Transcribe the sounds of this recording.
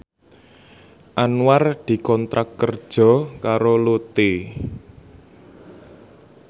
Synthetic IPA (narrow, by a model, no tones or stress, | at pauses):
ʔanward̪̥i̤kɔnt̪ɾʔakːərd̥ʒ̥ɔ̤kaɾolut̪e